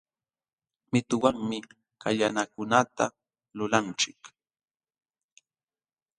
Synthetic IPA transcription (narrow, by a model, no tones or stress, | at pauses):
mɪt̪ʊwaŋmɪ | kaʎanakʊnat̪a | lʊlant͡ʃɪk